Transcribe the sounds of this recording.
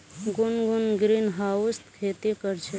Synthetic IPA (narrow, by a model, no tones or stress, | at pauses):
ɡʊnɡunɡɾinɦaːwst̪kʰeːt̪ikəɾt͡ʃʰe